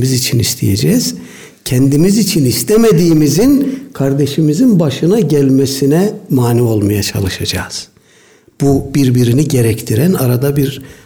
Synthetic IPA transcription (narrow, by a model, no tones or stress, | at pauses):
mizit͡ʃʰinist̪ʰijed͡ʒɛz̥ | cʰɛnd̪imizit͡ʃʰinist̪ʰɛmed̪iːmizinkʰaɾd̪eʃimizinbaʃɯnaɟælʲmɛsinɛmaːnio̞lˠmajat͡ʃʰa̰lˠɯʃad͡ʒa̰ːz̥ | b̥ub̥iɾbiɾiniɟeɾɛct̪ʰiɾænaɾad̪abiɾ